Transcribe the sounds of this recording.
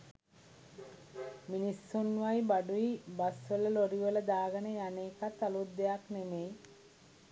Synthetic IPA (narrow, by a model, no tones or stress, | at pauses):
minisːunːʋajbaɖuibasʋələloɾiʋələd̪aːɡənəjaneːkat̪ːalud̪ːejaknemej